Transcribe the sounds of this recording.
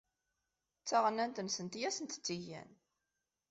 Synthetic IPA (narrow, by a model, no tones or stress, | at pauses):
t͡sːaʁənænt̪ənsənt̪jæsənt̪t͡sːiʝæ̰n